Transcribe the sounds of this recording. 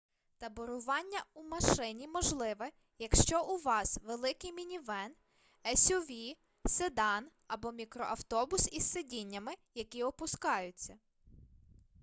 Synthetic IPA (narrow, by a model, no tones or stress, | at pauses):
t̪ɐbɔɾʊʋɑnʲːɐumɐʃɪnʲimɔʒlˠɪʋɛ | jɐkʃt͡ʃɔʔuʋɑsʋelˠɪkɪjmʲinʲiʋɛn | ɛsʲʊʋʲi | sed̪ɑn | ɐbɔmʲikɾɔʔɐwt̪ɔbʊsisːedʲinʲːɐmɪjɐkʲiɔpʊskɑjʊt͡sʲːɐ